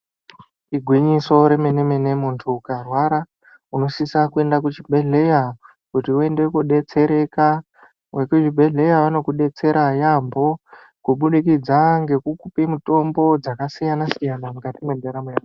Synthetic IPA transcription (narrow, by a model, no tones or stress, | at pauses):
iɡʱwiɲiso̞ɾe̞menemene̞muntʰuːkarwaɾa | uno̞sisakue̞ndakut͡ʃibʱe̞ɮe̞ja | kutiue̞ndekuɗe̞t͡se̞ɾe̞ka | we̞kut͡ʃibʱe̞ɮe̞jaʋano̞kuɗe̞t͡se̞ɾajambo̞ | kuɓuɗikid͡zaŋɡe̞kukupimuto̞mbo̞d͡zakasijanasijanamukatimwendeɾamuja